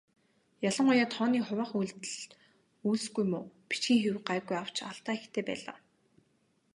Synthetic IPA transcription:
jaɮə̆ŋʊjaːt̪ʰɔːniːχʊwaːχujɮt̪ɘ̆ɮ | uːɮsɡujmʊːpi̥t͡ɕxiːŋxewɢajɣujaw̥t͡ɕaɮt̪aːixt̪ʰeːpæ̰ːɮa̰ː

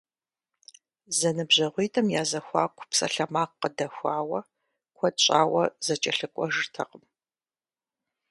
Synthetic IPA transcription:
zɐnɨbʑɐʁʷiːtʰʼɐmjaːzɐxʷɑ̰ːkʷʰʼpsʼɐ̰ɬɐmaːqːədɐxʷɑːwɐ | kʷʰɔtɕʼaːwɐzɐt͡ʃʼɐɬɨkʷʼɔʒɨrtʰɐ̰qəm

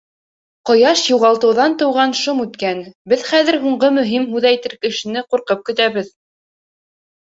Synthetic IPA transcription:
qɤ̆jɑʃjuʁɑlˠt̪ɤ̆wðɑnt̪ɤ̆wʁɑnʃomʉt̪kænbɘðχæðɘɾɦuɴɢɤmɵ̆ɦimɦʉðæjt̪ɘɾkɘ̆ʃɘ̆nɘquɾqɤp̚kɘ̆t̪æβɘð

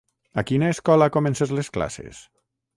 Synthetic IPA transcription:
akinaeskɔlakomensezleskla̰sḛs

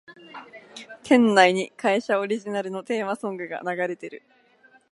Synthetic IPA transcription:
t̪ʰẽ̞nːaiɲ̟ikaiɕao̞ɾʲiʑinaɾɯ̟no̞t̪e̞ːmasõ̞ŋɡɯ̟ɡa̰naɡaɾe̞t̪e̞ɾɯ̟

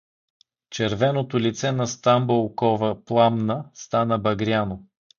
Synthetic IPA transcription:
t͡ʃɛɾvɛnot̪olit̪sɛnɐst̪ambolˠkɔvəplˠamnəst̪anəbɐɡɾʲjano

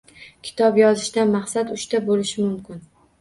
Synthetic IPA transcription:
kʲʰɪ̥t̪ʰɒpjɒzɪʃd̪anmɑχsat̪ʊʃt̪abolɪʃɪmʊmkʲɪn

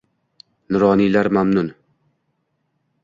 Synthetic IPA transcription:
nʊɾɒːnilaɾmamnʊn

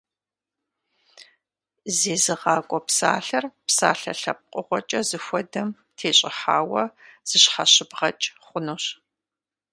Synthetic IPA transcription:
zeːzɨʁɑːkʷʼɔpsa̰ːɬɐrpsa̰ːɬɐ̰ɬɐp̚qʼʊʁʷɔt͡ʃʼɐzɨxʷɔdɐm | tʰeːɕʼɪħaːwɐz̥ɨɕħaɕɪbʁɐ̰t͡ʃʼχʷʊnoːɕ

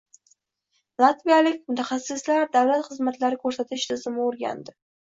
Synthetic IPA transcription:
lˠat̪vijalɪkʲmʊt̪ʰaχasːɪslaɾd̪awlat̪χɨzmat̪laɾɪkʰɵɾsat̪ʰɪʃt̪ʰɪzɪmɪoɾɡʲa̰nd̪ɪ

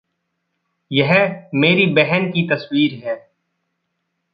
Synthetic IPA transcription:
jɐɦmeːɾibɛɦɛnkit̪ɐswiːɾɦɛː

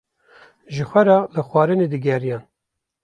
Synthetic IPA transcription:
ʒɨxʷɛɾɑlɨxwɑːɾɨned̪ɨɡʲɛɾijɑːn

